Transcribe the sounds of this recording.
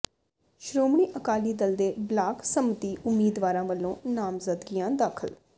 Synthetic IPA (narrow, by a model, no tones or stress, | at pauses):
ʃɾoːmɳiːʔəkaːliːd̪əld̪eːblaːksəmət̪iːʔʊmːiːd̪ʋaːɾãːʋəlːõːnaːmzəd̪ɡɪjãːd̪aːkʰəl